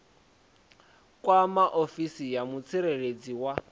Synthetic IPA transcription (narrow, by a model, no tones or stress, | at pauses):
kʼwamaʔofisijamut͡sʰiɾered͡ziwa